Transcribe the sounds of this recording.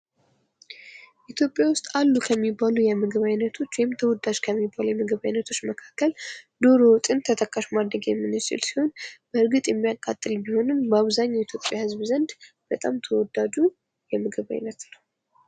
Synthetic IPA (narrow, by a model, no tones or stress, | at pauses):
ʔit̪ʰjo̞pʼjawʊst̪ʼalːukʰəmːibalujɛmɨɡɨβajnət̪ʰo̞t͡ʃːwɔjɪmt̪ʰəwɔd̪ad͡ʒkʰəmːibːalujɛmɨɡɨβajnət̪ʰo̞t͡ʃːməkʰakːəld̪o̞ɾo̞wt̪ʼɨnt̪ʰət̪ʰəkʰʼːaʃmad̪ɾəɡjɛmːɨnɨt͡ʃɪ̰lsi̥ho̞nb̥əɨɾɡɨt̪ʼjɛmːijakʼːat̪ʼːɨlbiho̞nɨmbəaβzaɲːait̪ʰjo̞pʼːjahɨzβzənd̪b̥ət̪ʼamt̪ʰəwɔd̪ad͡ʒu | jɛmɨɡɨβa̰jnət̪nəw